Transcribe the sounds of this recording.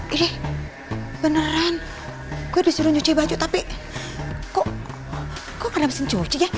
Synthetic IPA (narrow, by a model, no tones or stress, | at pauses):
iɾɛh | b̥ənəran | kuɛdisuɾuɲot͡ʃɔibad͡ʒut̪api | kɔʔ | kɔŋaɾamsiɲd͡ʒot͡ʃija